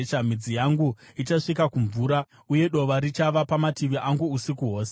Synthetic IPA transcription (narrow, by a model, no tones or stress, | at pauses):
t͡ʃamid͡zijaŋɡuit͡ʃaʂikakuɱvuːɾa | uje̞ɗo̞ʋaɾit͡ʃaʋapamatiʋiʔaŋɡuusikuɦo̞ːse